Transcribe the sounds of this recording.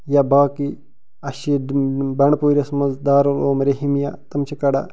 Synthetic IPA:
jabaːki | ɐʃibɐɳpoːɾʲɐsmɐzd̪aːɾoloːmɾeɦimja̰t̪ɐmt͡ʃʰikɐɖa̰

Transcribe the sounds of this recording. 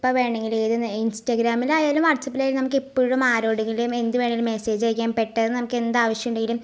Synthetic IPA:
pːɐʋe̞ːɳeŋɡileðɨninstɐɡɾaːmilajaːlumʋɐrt͡ɕːɐpːilaːjilnɐmuk̬ːepːoːɻumaːɾo̞ːɽeŋɡilume̞nd̪uʋe̞ːɳeŋilumːese̞ːd͡ʑejk̬ʲːaːmpe̞ʈːɐððɨnɐmukːe̞nd̪aːʋɐʂjɐmuɳɖeŋɡilum

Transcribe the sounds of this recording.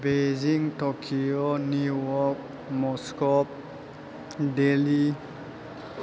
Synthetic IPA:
beziŋtɔkʰionuwɔk̚ | mɔskɔp̚ | deli

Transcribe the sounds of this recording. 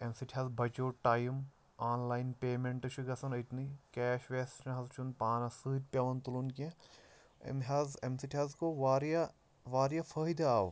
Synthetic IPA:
emsiʈʰiɦɐzbɐt͡ʃoːʈaːjm | aːnlaːjnpeːmeɳʈɨʃʰuɡɐsɐnɐjt̪nikɛːʃʋeːst͡ʃʰnɐ̃ɦɐzt͡ʃʰunpaːnɐsɨːt̚ʲpʲɐʋɐnt̪ulunkẽ | ḛnɦɐzemsiʈʰiɐzkoʋaːɾja | ʋaːɾjafʰɐːid̪ɐaːʋ

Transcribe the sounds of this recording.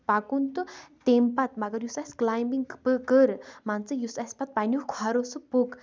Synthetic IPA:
pakunt̪ut̪empat̪maɡəɾjusesklajmbiŋkpɨkəɾmant͡sɨjusespat̪̚panʲukkʰaɾosupok

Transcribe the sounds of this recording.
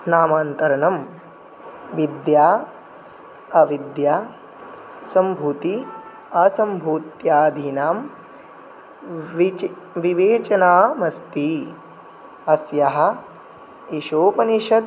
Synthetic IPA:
naːmaːnt̪ɐɾɐnɐm | ʋid̪jaː | ɐʋid̪jaː | sɐmbʱuːt̪i | ɐsɐmbʱuːt̪jaːd̪ʱiːnaːm | ʋiʋeːt͡ʃɐnaːmɐst̪i | ɐsjɐɦɐ̆ | iʃoːpɐniʃɐd̪̚

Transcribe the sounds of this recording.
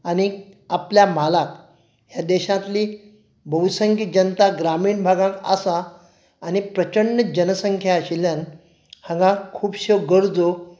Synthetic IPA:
añiapljam̤alak | ɦjad̪eɕãt̪liː | bʱəʋsəŋkid͡ʑənt̪aɡɾamiːɳbʱaɡãŋka̰saː | ñipɾət͡ɕəɳːəd͡ʑənəsəŋkʰjaɕilan | hãŋɡãkʰuːpɕewɡəɾd͡zo

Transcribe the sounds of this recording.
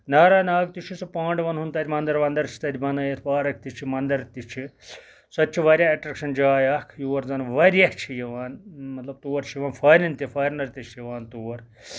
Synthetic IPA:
naːɾaːnaːɡ̚t̪it͡ʃʰisupaːɳɖʋɐnɦunt̪aːd̪ʲimɐnd̪ɐɾʋɐnd̪ɐɾt͡ʃʰi̥t̪ɐd̪ʲibɐnɐjet̪ʰpaːɾɐk̚ʰt̪it͡ʃʰimɐnd̪ɐɾt̪it͡ʃʰi | sɐtːt͡ʃʰiʋɐɾʲjaːɐʈɾɐkʃɐnd͡ʒaːjakʰjuːɐɾzɐnʋɐɾjaːt͡ʃʰijɐʋaːnmɐt̪lɐb̚t̪uːɐɾt͡ʃʰijʋaːnfʰɐːɾinʲt̪ifʰɐːjɾnɐɾʲt̪it͡ʃʰijɐʋaːnt̪uːɐɾ

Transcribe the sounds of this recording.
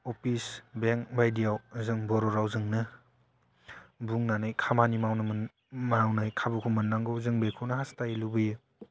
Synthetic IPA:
ɔpʰisbeŋkbʱajdijawzɯŋbɔɾɔɾawzɯŋnɯ | buŋnanajkʰamanimawnɯm | mawnajkʰabukʰumɯnlaŋɡozɯŋbekʰuwnɐɦastajilubɯjɯ

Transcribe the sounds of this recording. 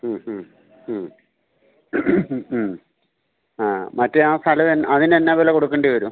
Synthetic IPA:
aːmɐtːeaːst̪ʰɐlɐʋenːʔɐðinenːaʋeleko̞ɽukːeɳɖiʋɐɾum

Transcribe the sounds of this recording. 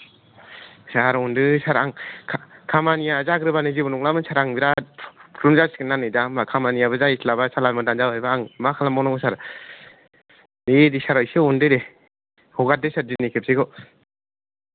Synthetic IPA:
saɾɔndɯsaɾaŋʰ | kʰamanijazaɡɾɯbanɯzibɔnɔŋlamɯnsaɾaŋbiɾapʰɾumzaskɯnːanɯdambakʰamanijabɯzajislabasalaɾmadand͡ʒawajbaaŋmakʰalamɔnɔŋɡɔsaɾ | dedisaɾajsɯɔndɯɾe | hɔɡat̚dɯsaɾdinikʰep̚sʰeɡɔ

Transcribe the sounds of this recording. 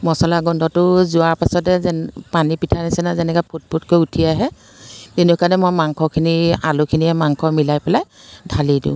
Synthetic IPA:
mɔsɔlaɡɔndɔtʊzʊaɹpasɔtɛzpanipitʰanisɛnazɛnɛkɔpʰot̚pʰotkojutʰiaɦɛ | tenukanɛmɔjmaŋkʰɔkʰinia̰lokʰiniɛmaŋkʰɔmilajpɛlaj | dʱalidḭ̃ʊ̃

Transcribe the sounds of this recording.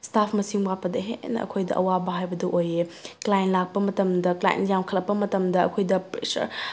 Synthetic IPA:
stapʰmɐsiŋwapːɐdɐɦenɐ̰ʔɐ̰kʰojdɐʔɐwabɐɦajbɐduʔojeklajnlak̚pɐmɐtɐmdɐkla̰j̰njamkʰɐlɐpːɐmɐtɐmdɐɐ̰kʰojdɐpɾḛsɐ̰ɾ

